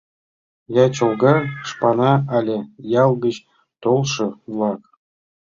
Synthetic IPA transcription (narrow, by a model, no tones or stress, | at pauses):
jɑt͡ɕɤ̆lˠɡɑʂpɑnɑɑlʲɘ̆jɑlˠɡə̆ɕ | t̪olˠʂɤ̆vlˠɑk